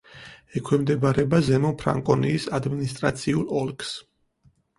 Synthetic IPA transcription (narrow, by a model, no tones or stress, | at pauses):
ɛkʰwɛmd̪ɛbaɾɛbazɛmɔnpʰɾa̰ŋkʼɔniːsad̪minist̪ʼɾa̰t̪sʰiulˠɔlˠkʼs